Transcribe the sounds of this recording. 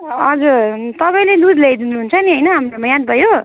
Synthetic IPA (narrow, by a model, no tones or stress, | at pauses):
ʌd͡zuɾt̪ʌpaĩled̪ud̪led̪inuɦunt͡sʰʌniɦʌjnʌɦamɾomʌjãd̪̚bʱʌjo